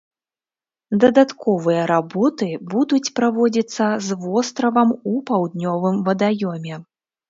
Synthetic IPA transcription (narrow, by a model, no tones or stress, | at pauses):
d̪ɐd̪at̪kɔvɨjɐɾabɔt̪ɨbud̪ut͡sʲpɾavɔd͡zʲit̪sːɐzvɔst̪ɾɐvɐmupawd̪nʲɔvɨmvɐd̪ajɔmʲɛ